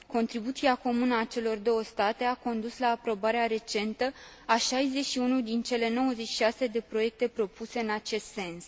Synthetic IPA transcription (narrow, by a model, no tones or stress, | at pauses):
ko̞nt̪ɾibut̪siako̞munəat͡ʃe̞lo̞rd̪o̞wəst̪at̪e̞ako̞nd̪uslaːpɾo̞baɾeaɾe̞t͡ʃe̞nt̪ə | aʃajze̞ʃiunud̪int͡ʃe̞le̞no̞wəzet͡ʃʃiʃase̞d̪e̞pɾo̞je̞k̚t̪e̞pɾo̞puse̞ɨnat͡ʃe̞st̪se̞ns